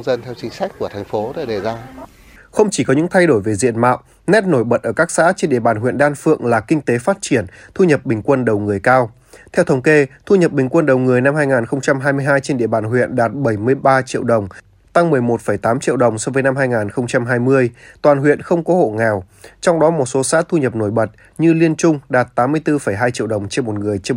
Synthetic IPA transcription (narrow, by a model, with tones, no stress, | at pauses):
zə˧nt̪ʰɛ˧wt͡ɕï˨˦ŋ̟sa˦˥jk̟̚ku˧˩ət̪ʰjŋ̟fo˨˦ɗe˧˩ɗe˧˩zaː˧ | xə˧wŋ͡mt͡ɕi˧˩kɔ˨˦ɲɨ̰˧˥ŋt̪ʰa˧jɗo˧˩jve˨˩zḭ˧˨ənma̰ː˧˨w | nɛ˦˥t̚no˧˩jɓə˨˩t̚ʔəː˧˩kaː˦˥k̚sa̰ː˧˥t͡ɕe˧nɗḭ˧˨əɓaː˨˩nɦwḭ˧˨nɗaː˧nfɨ̰˧˨əŋlaː˨˩kï˧ŋ̟t̪e˨˦faː˦˥t̚t͡ɕi˧˩ənt̪ʰu˧ɲə˨˩p̚ɓï˨˩ŋ̟kwə˧nɗə˨˩wŋɨ˨˩əjkaː˧w | t̪ʰɛ˧wt̪ʰə˨˦wŋ͡mke˧t̪ʰu˧ɲə˨˩p̚ɓï˨˩ŋ̟kwə˧nɗə˨˩wŋɨ˨˩əjna˧mhaː˧jŋaː˨˩nxə˧wŋ͡mt͡ɕa˧mɦaː˧jmɨ˧əjɦaː˧jt͡ɕe˧nɗḭ˧ə˨ɓaː˨˩nɦwḭ˧˨ənɗaː˨˩t̚ɓə˧˩jmɨ˧əjɓaː˧t͡ɕḭ˧˨əwɗə˨˩wŋ͡m | t̪a˧ŋmɨ˨˩əjmo˨˩t̚fə˧˩jt̪aː˨˦mt͡ɕḭ˧˨əwɗə˨˩wŋ͡msɔ˧vəː˨˦jna˧mɦaː˧jŋaː˨˩nxə˧wŋ͡mt͡ɕa˧mɦaː˧jmɨ˧əjt̪waː˨˩nɦwḭ˧˨ənxə˧wŋ͡mkɔ˨˦ho̰˧˨ŋɛ˨˩w | t͡ɕɔ˧wŋ͡mɗɔ˨˦mo˨˩t̚so˨˦sa̰ː˧˥t̪ʰu˧ɲə˨˩p̚no˧˩jɓə˨˩t̚ | ɲɨ˧li˧ənt͡ɕʊ˧ŋ͡mɗaː˨˩t̚t̪aː˨˦mːɨ˧əjt̪ɨ˧fə˧˩jɦaː˧jt͡ɕḭ˧˨əwɗə˨˩wŋ͡mt͡ɕe˧nmo˨˩t̚ŋɨ˨˩əjt͡ɕ